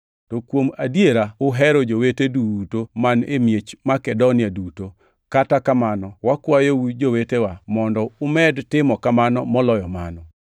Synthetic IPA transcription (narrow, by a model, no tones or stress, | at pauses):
tɔkwomadjeɾaʊɦɛɾɔd͡ʒowetedutomanemjet͡ʃmakɛdonɪaduto | katakamanɔwakwajowud͡ʒowetewamɔndɔʊmɛdtɪmɔkamanɔmɔlɔjɔma̰nɔ